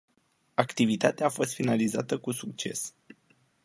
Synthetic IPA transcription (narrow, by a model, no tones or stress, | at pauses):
akt̪ivit̪at̪eaːfo̞st̪finalizat̪əkusuk̚t͡ʃe̞̰s